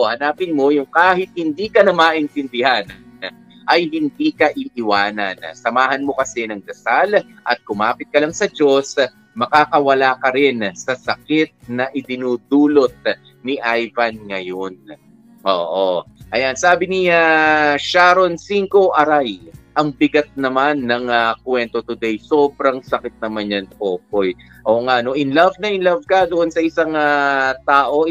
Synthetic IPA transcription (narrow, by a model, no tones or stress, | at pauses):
hɐnaːpɪnmo̞jʊŋkaːhɪt̪̚hɪnd̪iːkɐnɐmaːʔɪnt̪ɪnd̪ɪhan | ʔɐjhɪnd̪iːkɐʔɪʔɪwaːnɐ̰nsɐmaːhɐnmo̞kɐsɛnɐŋd̪ɐsalʔɐ̰t̪̚kʊmaːpɪt̪̚kɐlɐŋsɐd͡ʒo̞s | mɐkakɐwɐlaːkɐɾɪnsɐsɐkɪt̪̚nɐʔɪd̪ɪnuːd̪uːlo̞t̪̚ | niʔajvɐnŋɐjon | ʔoːʔoʔɐjansaːbɪniaʃaːɾo̞nsiŋko̞ʔɐɾajʔɐŋbɪɡɐt̪̚nɐmanːɐŋɐkwɛnt̪o̞t̪ʊd̪ɛjso̞ːbɾɐŋsɐkɪt̪̚nɐmanjɐnpo̞ːp̚o̞j | ʔoŋaʔɐno̞ʔɪnlɐvnɐʔɪnlɐvkɐd̪oʔonsɐʔɪsaŋat̪aːʔo̞